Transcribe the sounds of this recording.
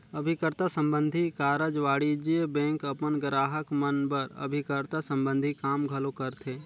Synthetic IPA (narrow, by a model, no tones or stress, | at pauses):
əbʱikəɾt̪asə̃mbə̃nd̪ʱikaːɾəd͡ʒʋaːɽid͡ʒiəbɛ̃ːŋkəpənɡɾaːɦəkmənbəɾə̰bʱikəɾt̪asə̃mbə̃nd̪ʱikaːmɡʱəlokəɾt̪ʰeː